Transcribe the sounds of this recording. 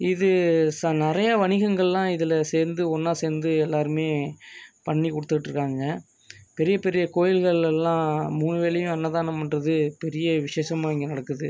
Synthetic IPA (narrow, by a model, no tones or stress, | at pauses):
ɪðɯsɐnɪɾɐjɐʋɐɳɪɣɐŋɡɐɭlãːɪðɪlɐseːɾnd̪ɯɔnːaːseːɾnd̪ɯɛlːaːɾɯmeːpɐɳːikɔɽɯt̪ːɯkːɪʈːɾɯkːaːŋɡɐ | pɛɾɪjɐpɛɾɪjɐkoːjɪlɣɐɭɛlːãːmuːnɯʋeːlɐjʊ̃ɛnːɐðaːnɐmɛnrɐðɯpɛɾɪjɐʋɪʂeːʂɐmaːɪŋɡenɐɽɐkːɯðɯ